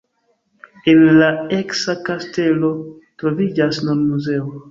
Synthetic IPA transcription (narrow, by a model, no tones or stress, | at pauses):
enlae̞ksakaste̞lo̞ | tɾo̞vid͡ʒasnonmuze̞o